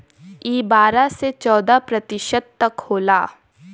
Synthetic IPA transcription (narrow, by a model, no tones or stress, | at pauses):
iːbaːɾaset͡ʃɔːd̪apɾɐt̪ɪʃəd̪̚t̪ɐkhoːlaː